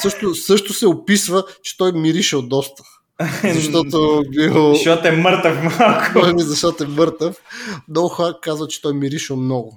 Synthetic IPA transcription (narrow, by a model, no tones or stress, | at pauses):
sɤʃt̪ʊsɤʃt̪ʊsɛʊpisvət͡ʃɛ̥t̪ɔjmiɾiʃɛlˠd̪ɔst̪ə̥ | zɐʃt̪ɔt̪obilˠʃɔt̪ɛməɾt̪əfmalˠkmizɐʃt̪ɔt̪oɛmɤɾt̪əfnɔxakazvət͡ʃɛ̥t̪ɔjmiɾiʃɛlˠmnɔɡʊ